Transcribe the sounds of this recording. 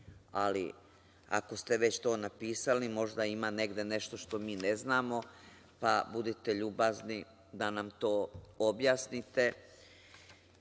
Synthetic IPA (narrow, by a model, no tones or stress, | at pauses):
alḭ | a̰ko̞st̪e̞ʋe̞t͡ɕt̪o̞ːnapiːsalimo̞ʒd̪aimaːne̞ɡd̪e̞ne̞ʃt̪o̞ʃt̪o̞miːneznaːmo̞ | pabud̪it̪e̞ʎuːbazni | d̪anamt̪o̞ːobjaːsnit̪e̞